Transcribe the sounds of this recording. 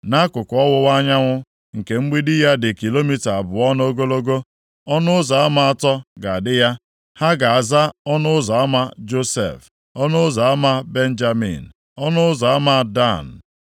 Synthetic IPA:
na˦kʊ˨kɔ˦wʊ˦wa˦ɲa˦ŋʷʊ˦ | ŋ̩˨ke˨ŋ͡m̩˦ɡ͡bi˦dɪ˦ja˦dɪ˨ki˨lo˦mi˦ta˨a˨bʊ˨ɔ˦no˦ɡo˦lo˦ɡo˦ | ɔ˦nʊ˦ʊ˦za˨a˦ma˨a˨tɔ˦ɡa˨a˨dɪ˦ja˦ | ha˦ɡa˨a˨za˦ɔ˦nʊ˦ʊ˦zɔ˨a˦ma˦d͡ʒo˦sḛ˨f | ɔ˦nʊ˦zɔ˨a˦ma˦be˦n̩˦d͡ʒa˦mḭ˨n̩˨ | ɔ˦nʊ˦ʊ˦zɔ˨a˦ma˦da̰˦˨n̩˨

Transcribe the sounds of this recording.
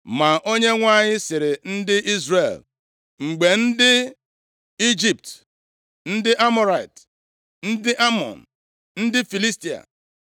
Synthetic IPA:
ma˨ʔo˦ɲe˦ŋʷa˦ɲɪ˦sɪ˨ɾɪ˨n̩˦dɪ˦ʔi˦zre˨l | ŋ͡m̩˨ɡ͡be˨n̩˦dɪ˦ | i˦d͡ʒi˨p̚t | n̩˦dɪ˦ʔa˦mo˨ɾa˨jt | n̩˦dɪ˦ʔa˦mɔ̰˨n̩˨ | n̩˦dɪ˦fi˨li˦sti˨a̰˨

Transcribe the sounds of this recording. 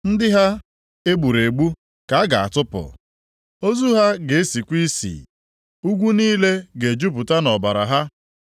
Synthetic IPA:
n̩˦dɪ˦ɦa˦ | e˦ɡ͡bu˨ɾe˨ɡ͡bu˦ | ka˨a˦ɡa˨a̰˨tʊ˦pʊ̰˨ | o˦zu˦ɦa˦ɡe˨e˦si˨kʷi˦sḭ˨ | u˦ɡʷu˦niː˦le˦ɡe˨d͡ʒu˦pʊ˨ta˦nɔ˨ba˨ɾa̰˨ɦa˦

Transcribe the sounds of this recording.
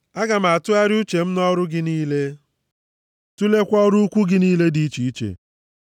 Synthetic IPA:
a˦ɡa˨m̩˨a˨tʊ˦a˦ɾɪ˦u˦t͡ʃe˨m̩˦nɔ˦ɾʊ˦ɡɪ˦niː˦le˦ | tu˦le˦kʷɔ˦ɔ˦ɾu˦kʷu˦ɡɪ˦niː˦le˦di˦t͡ʃi˨i˦t͡ʃḛ˨

